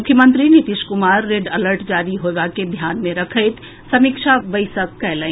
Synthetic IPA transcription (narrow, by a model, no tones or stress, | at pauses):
mʊkʰjəmə̃nt̪ɾinit̪iʃkʊmaːɾːeɖələɾʈd͡ʒaːɾiɦoːʋaked̪ʱjaːnmẽɾɐkʰəɪt̪ | sɐmɪkʃaʋəɪsəkːɛːlə̃